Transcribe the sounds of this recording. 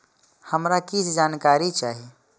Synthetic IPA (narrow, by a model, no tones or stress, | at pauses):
həmɾakit͡ʃʰd͡ʒankaɾit͡ʃaːɦi